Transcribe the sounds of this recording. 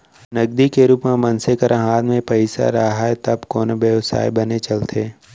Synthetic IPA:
nɐɡd̪ikeɾuːpmẽmɐnsekəɾʔaɦaːnmẽpɐɪsa̰ɾaɦaet̪ɐbkoːnoʋjəʋsa̰ːjbɐnet͡ʃɐlt̪ʰeː

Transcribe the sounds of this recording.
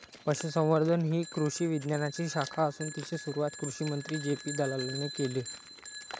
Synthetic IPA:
pəɕusə̃w̃ʋəɾd̪ʱənɦiːkɾuɕiːʋid̪njanat͡ɕiːɕakʰaəsuːnt̪it͡ɕʰesuɾuʋat̪kɾuɕiːmənt̪ɾiːd͡ʑepiːd̪ʱalalənekele

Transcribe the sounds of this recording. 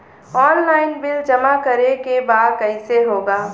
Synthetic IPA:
ɔːnlaːɪnbɪld͡ʒɐmakɐɾekebaːd̪kɐɪseɦoːɡaː

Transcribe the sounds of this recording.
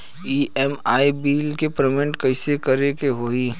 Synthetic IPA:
iːɛmaːibiːlkepɾemɪ̃ɳʈkɐɪsekɐɾekeɦoːiː

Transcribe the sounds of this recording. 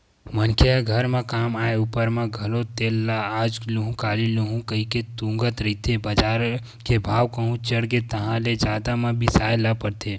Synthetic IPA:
mənkʰeaɡʱəɾmãkaːmaːeupəɾmãɡʱəlot̪eːlːaaːd͡ʒluɦũkaːliluɦũkəiket̪ũŋɡət̪ɾəɦit̪ʰebəd͡ʒaːɾ | kebʱaːʋkəɦũt͡ʃəɽk̬et̪əɦãled͡ʒaːd̪amãbʱisaːjlapəɽt̪ʰe

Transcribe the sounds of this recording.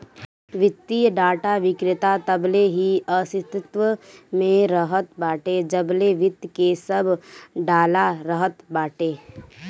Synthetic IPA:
ʋɪt̪ːijəɖaːʈaʋɪkɾɪt̪at̪əbleɦiəsɪt̪ɪt̪ʋəmẽɾəɦət̪̚baːʈed͡ʒəbleʋɪt̪ːkesɐbʱɖaːlaɾəɦət̪baːʈeː

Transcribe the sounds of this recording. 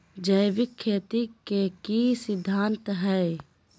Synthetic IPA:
d͡ʒɐjʋɪkʰːeːt̪ikekisɪd̪ʱːaːnt̪ɦɛː

